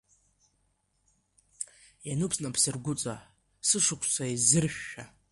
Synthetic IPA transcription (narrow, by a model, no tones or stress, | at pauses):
janɨpʰsnapʰsɨrɡʷʊt͡sʼa | sɨʂɨkʷʰsʷaizɨrʃʷᶣːa